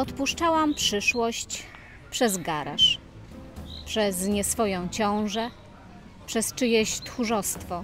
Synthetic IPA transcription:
ɔt̪puʂt͡ʂawampʂɘʂwɔɕt͡ɕ | pʂɛzɡaɾa̰ʂ | pʂɛzɲɛsfɔjɔ̃w̃t͡ɕɔ̃w̃ʐɛ | pʂɛst͡ʂɘjɛɕt̪xuʐɔst̪fɔ

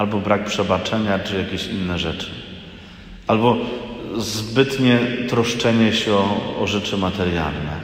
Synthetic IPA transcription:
albɔbɾak̚pʂɛbat͡ʂɛɲat͡ʂɨjakʲeɕinːɛʐɛt͡ʂɘ̥ | albɔ | zbɘt̪ɲɛt̪ɾɔʂt͡ʂɛɲɛɕɛɔɔ̰ʐɛt͡ʂɘmat̪ɛɾja̰lnɛ̰

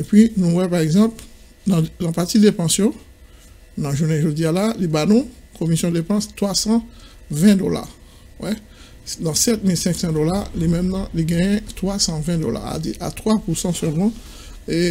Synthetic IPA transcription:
epɥinũwɛpaʁɛɡzɑ̃pl | d̪ɑ̃d̪ɑ̃pat̪id̪epɑ̃sjɔ̃ | nɑ̃ʒunɛʒod̪ialalibanɔ̃ | kʰomisjɔ̃d̪epɑ̃st̪χwasɑ̃ | vɛ̃d̪ola̰ | wɛ | d̪ɑ̃sɛt̪milsɛ̃ksɑ̃d̪olalimɛ̃mnɑ̃liɡãjɛ̃t̪χwasɑ̃vɛ̃d̪o̰la̰a̰diʔa̰t̪χwapusɑ̃sœlmɑ̃ | e

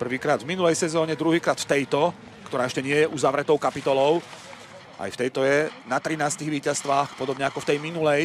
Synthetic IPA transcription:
pr̩ʋiːkɾaːd̪vminulɛjsɛzɔːɲɛd̪ɾuɦiːkɾaːt̪ft̪ɛjt̪ɔ | kt̪ɔɾaːɛʃcɛɲɪɛjɛʔuzaʋɾɛt̪ɔʊkapit̪ɔlɔʊ | ʔa̰jft̪ɛjt̪ɔjɛnat̪ɾinaːst̪iɣʋiːcast̪ʋaːxpɔd̪ɔbɲɛakɔft̪ɛjminulɛj

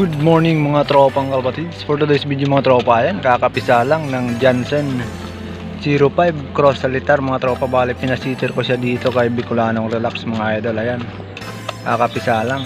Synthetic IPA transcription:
ɡud̪̚mɔrnɪŋmaŋat̪ɾopaŋkalpat̪id͡ʒsfɔrd̪əd̪ejsbid͡ʒumaŋat̪ɾopajankakapisalaŋnaŋd͡ʒansɛn | siɾopajbkɾɔsalit̪armaŋat̪ɾopabalɛpinasit̪ɛrkosiad̪it̪okajabikulanɔŋɾɛlaksmaŋajad̪olajan | kakapisalaŋ

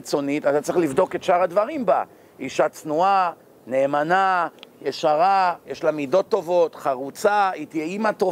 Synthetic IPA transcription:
t͡so̞nit̪at̪at͡sʁiχlivd̪o̞ket̪ʃaʁadvaʁimba̰ | iʃat͡snua | ne̞ːmanajeʃaʁajeʃlamido̞tːo̞vo̞tχaʁut͡sait̪jeimat̪o

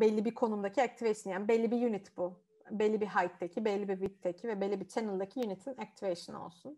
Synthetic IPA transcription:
bɛlʲːibikʰo̞numd̪acʰiak̚t̪ʰivejʃɯnjanbɛlʲːibijynit̪ʰbu | bɛlʲːibiɦajt̪ʰːecʰibɛlʲːibivit̪ʰːecʰivɛbelʲːibit͡ʃʰenɯlˠd̪acʰijynit̪ʰinak̚t̪ʰiveʃɯno̞̰lˠsun

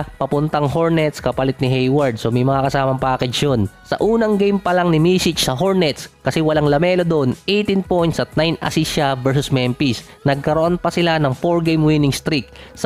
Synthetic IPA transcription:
pɐpʊnt̪ɐŋɦoɹnɛt̪skɐpɐlɪt̪̚nɪɦɛjwɐɹd̪̚somɐjmɐŋakɐsaːmɐmpaakɪt͡ʃonsɐ̰ʔuːnɐŋɡejmpɐlaŋnɪmiːsɪt͡ʃsɐɦoɹnɛt̪skɐsɛwɐlaŋlɐmɛːlo̞d̪oʔonʔejt̪inpo̞jnt̪sɐt̪̚najnɐ̰siʃavɛɹsʊsmɛmpis | nɐɡ̚kɐɾoʔo̞npɐsɪlanɐŋfoɹɡejmwinɪŋst̪ɾik̚s

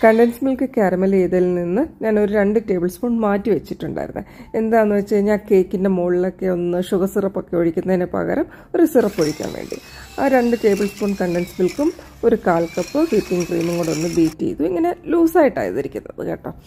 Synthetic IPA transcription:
kɐɳɖensmilkɨkaɾɐmɐleːðilninːɨɲaːno̞ɾuɾe̞ɳɖɨte̞ːbɨlsfoːɳɖmaːtːiʋet͡ɕːiʈːuɳɖa̰ːjiɾṵnːɨ̰e̞nd̪aːjɐnːuʋɐt͡ɕːɐɲːaːnke̞ːkːinde̞moːɭilo̞kːe̞o̞nːɨʂuɣɐsirɐpːo̞kːeoɻikʲːunːɐðinepɐ̰ɣɐ̰ɾɐm | o̞ɾusirɐpːoɻikʲːa̰ːnʋḛːɳɖḭ | aːɾe̞ɳɖɨte̞ːbɨlspoːɳɖkɐɳɖensmilkum | o̞ɾukaːlkɐpːɨhiːpːiŋɡkrḭːmuŋɡoɳɽɖo̞nːɨbiːtːḛjḭðueŋːɐne̞luːsaːjiʈːa̰ːjɐ̰ðɐɾikʲːunːɐ̰ðɨ̰keʈːɐ̰m

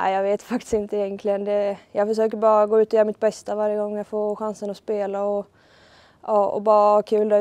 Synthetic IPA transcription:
æ̰ɪjɑːɡveːt̪fak̚t̪ɪ̥st̪ɪnt̪əɪjɛnkʰlɪɡənd̪ɛjɑːɡfœʂøːk̬əɾbɑːɾaɡoːʉ̟ːt̪ɔjœːɾamɪt̪̚bɛst̪avaɾjəɡɔŋːjɑɡfoːɧansənɔspeːlaɔ | ɑːɔ̰bɑːɾakʰʉ̟ːld̪ɛ

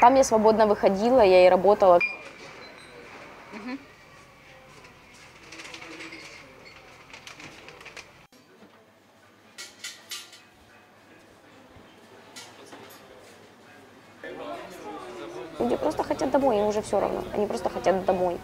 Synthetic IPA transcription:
t̪amːjasvɐbo̞d̪nəvɨxɐdʲilˠəjaɪɾɐbo̞t̪əlˠə | m̩ɦ̩ | lʲudʲɪpɾo̞st̪əxɐtʲat̪̚d̪ɐmo̞jimʊʐɛfsʲoɾɐ̰vno̰ɐ̰nʲipɾo̞st̪əxɐtʲat̪d̪ɐmo̞j

